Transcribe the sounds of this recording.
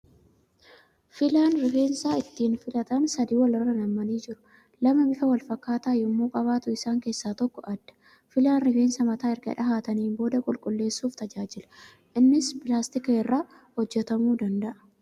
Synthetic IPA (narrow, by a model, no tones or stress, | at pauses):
fɪlaːnɾɪfeːnsaːɪt̪ːiːnfɪlɐt̪ɐnsɐd̪iːwɐlɪrːɐnɐmːɐniːd͡ʒɪɾʊ̥ | lɐmɐbɪfɐwɐlfɐkːaːt̪aːjʊmːuːkʼɐβaːt̪ʊɪsaːŋke̞ːsːaːt̪ɔkːɔʔɐd̪ːɐ̥ | fɪlaːnɾɪfe̞ːnsɐmɐt̪aːɪɾɡɐ̰ᶑɐɦaːt̪ɐniːnbo̞ːd̪ɐkʼʊlkʼʊlːe̞ːsːuːft̪ɐd͡ʒaːd͡ʒɪlɐ̥ | ʔɪnːɪspɪlaːst̪ɪkɐɛrːaː | hɔd͡ʒːɛt̪ɐmuːd̪ɐnd̪ɐʔɐ̥